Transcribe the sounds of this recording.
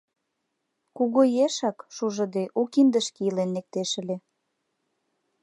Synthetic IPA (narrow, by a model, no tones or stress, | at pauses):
kuɣojeʃɑkʃuʒə̆d̪eʔukind̪əʃkiəlenːek̚t̪eʃə̆le